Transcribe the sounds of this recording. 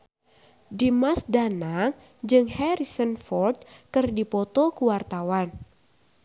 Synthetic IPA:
dimasdanaŋ | d͡ʒɨŋhɛɾisənfɔrt̪̚kɨrdipɔt̪ɔkuwart̪awan

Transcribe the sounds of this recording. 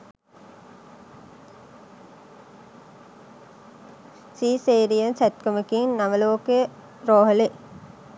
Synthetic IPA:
siːseːɾiənsæt̪kəmikiŋnaʋəloːke | ɾoːɦəle

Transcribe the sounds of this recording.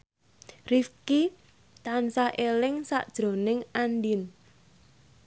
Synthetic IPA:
rifki | t̪ansahʔelɪŋsa̰ʔd̥ʒ̥ɾo̤nɪŋandin

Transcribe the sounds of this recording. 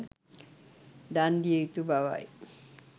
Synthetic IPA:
d̪and̪iejt̪ubawa̰j

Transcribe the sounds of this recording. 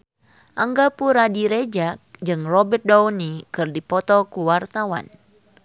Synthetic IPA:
ʔaŋɡapuɾadiɾed͡ʒak̚d͡ʒɨŋrɔbɛt̪̚dɔwnikɨrdipɔt̪ɔkuwart̪awa̰n

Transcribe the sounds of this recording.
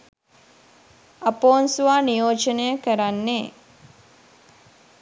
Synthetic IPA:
apoːnsuʋaːnijoːt͡ʃənejəkəɾanːeː

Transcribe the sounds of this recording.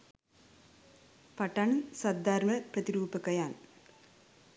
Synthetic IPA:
pɐʈːɐnsɐd̪ːaːɾmɐpɾɐt̪ɪɾuːpːɯkːɐjaːn

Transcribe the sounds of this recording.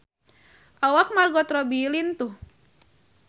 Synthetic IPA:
ʔawak̚marɡɔt̪ɾɔbilint̪uh

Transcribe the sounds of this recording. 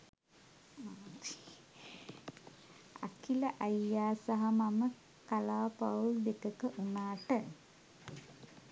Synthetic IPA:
a̰kiləʔajːaːsaɦamamə | kalaːpaulb̪etəkəʔunaːʈə

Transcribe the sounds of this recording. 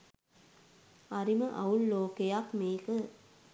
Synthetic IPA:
ɐɾiməʔɐulːoːkejakmeːkə

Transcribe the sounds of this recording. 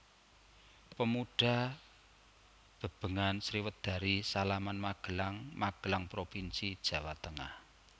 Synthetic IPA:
pəmuɖ̥a̤ | b̥ə̤b̥ə̤ŋansɾiwət̪̚d̪̥ä̤ɾisalamanmaɡ̥ə̤laŋmaɡ̥ə̤laŋpɾopinsid̥ʒ̥ä̤wat̪əŋa̰h

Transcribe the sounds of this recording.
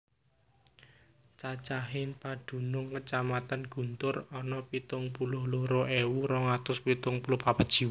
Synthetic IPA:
t͡ʃat͡ʃaɦɪnpad̪̥ṳnʊŋkət͡ʃamat̪anɡ̥ṳnt̪ʊrɔnɔpit̪ʊŋpulʊhlʊhroʔewuɾɔŋat̪ʊspit̪ʊŋpulʊhpapəd̥ʒ̥i̤w

